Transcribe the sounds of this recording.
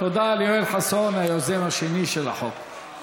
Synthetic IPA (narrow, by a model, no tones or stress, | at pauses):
t̪od̪aːljoelħasonajozemaʃeniʃela̰ħok